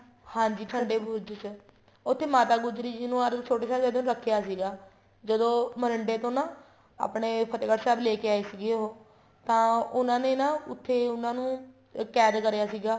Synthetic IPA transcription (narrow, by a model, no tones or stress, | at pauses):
hãːɲd͡ʒiːʈʰəɳɖeːbuːd͡ʒt͡ʃ | ʊt̪ʰːeːmaːt̪aːɡʊd͡ʒɾiːd͡ʒiːnũːəɾt͡ʃʰoːʈeːsaːd͡ʒəd̪õːnːɾəkʰːejaːsiːɡaː | d͡ʒəd̪õːmənəɳɖeːt̪õːnãː | a̰ːpɳeːpʰət̪eːkəʈsɛːbleːkeːaːiːsɪɡeɦoː | t̪ãːʊnãːneːnãːʊt̪ʰːeːʊnãːnũː | kɛːd̪kəɾejaːsiːɡaː